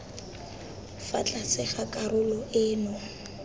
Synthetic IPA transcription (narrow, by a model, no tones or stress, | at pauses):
fa̰t͡ɬʼasɪχakʼarʊlɔɪːnɔ